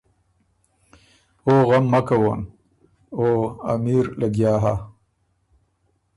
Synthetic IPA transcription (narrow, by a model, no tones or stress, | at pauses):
oːɣamːakawon | oa̰miɾlaɡjaːɦa̰